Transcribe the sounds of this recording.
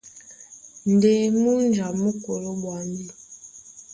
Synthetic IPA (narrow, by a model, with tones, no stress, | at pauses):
n̩˨de˨mu˦n˦d͡ʒa˨mu˦ko˨lo˦ɓwa˨˦n˦di˦